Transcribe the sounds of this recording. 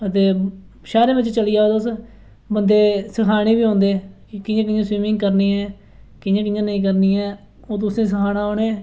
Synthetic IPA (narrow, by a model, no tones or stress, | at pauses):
ət̪eː | ʃaːɾẽːʋɪt͡ʃt͡ʃəliːaːeːd̪oʊs | bənd̪eːsəkʰaːɽ̃eːbiːɦõːnd̪eː | kɪãːkɪãːswiːmɪ̃ŋɡkəɾniːɛː | kɪãːkɪãːnəĩːk̬əɾniːɛː | oːt̪̬ʊsẽːs̬əkʰaːɽaːoːneː